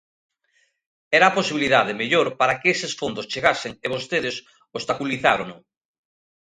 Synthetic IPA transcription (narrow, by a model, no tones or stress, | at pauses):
ɛɾaːposiβiliðaðemeʎoɾpaɾakeesesfond̪ost͡ʃeɣaseŋeβost̪eðes | ost̪akuliθaɾonʊ